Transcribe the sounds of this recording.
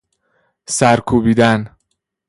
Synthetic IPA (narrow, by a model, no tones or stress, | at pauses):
sæɾkʰuːbiːd̪æn